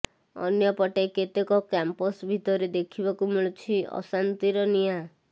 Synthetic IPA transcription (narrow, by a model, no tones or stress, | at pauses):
ɔ̰njɔpɔʈaket̪ekɔkampɔsbʱit̪ɔɾed̪ekʰibakumiɭut͡ʃʰiɔ̰sant̪iɾɔnija